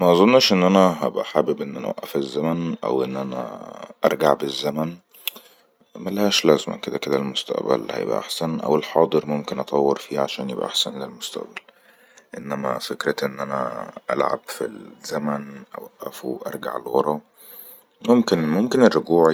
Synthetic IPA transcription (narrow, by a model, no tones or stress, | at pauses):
mæʔɑzˤonːʃʔenːʔænæɦæbʔaħabebʔenːʔænæ̰wæ̰ʔːæfezːæmænʔæ̰wʔenːʔænæ̰ʔɑɾˤɡaʕbezːæmæn | mælhæːʃlæzmæ̰ked̪æked̪ælmost̪æ̰ʔbæ̰lhæ̰jḛbʔæ̰ʔa̰ħsænʔæ̰welħɑːd̪ˤɨɾmomkenʔɑt̪ˤɑwːeɾfiːʕaʃæːnjebʔæ̰ʔa̰ħsænlelmost̪æ̰ʔbæl | ʔenːæmæ̰fekɾæʔenːʔænæ̰ʔæ̰lʕa̰bfḭz̥æmænʔæwæʔːæfuʔɑ̰ɾˤɡa̰ʕḛlwɑɾˤɑ | momkenmomkenerːoɡuːʕ